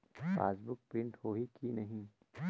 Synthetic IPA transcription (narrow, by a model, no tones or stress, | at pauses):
fa̰ːsbʊk̚pɾɪ̃ɳʈhoːɦikinɐɦĩ